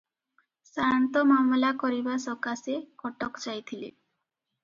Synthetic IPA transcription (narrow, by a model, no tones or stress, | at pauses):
saɾant̪ɔmamlakɔɾibasɔkasekɔʈɔkt͡ʃajt̪ʰilḛ